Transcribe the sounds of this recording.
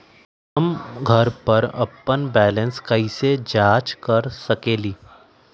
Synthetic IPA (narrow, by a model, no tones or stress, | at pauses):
ɦɐmɡʱɐɾpɐɾɐ̰pːənbɛːlə̃nskəised͡ʒaːt͡ʃkɐɾsɐkeːliː